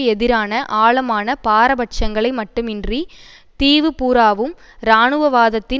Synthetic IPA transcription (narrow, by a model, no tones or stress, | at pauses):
ɛðɪɾaːnɐʔaːɭɐmaːnɐpaːɾɐbɐʈt͡ʃɐŋɡɐɭɐɪmɐʈːɯmɪndri | t̪iːʋɯpuːɾaːʋɯm | ɾaːnɯʋɐʋaːðɐt̪ːɪ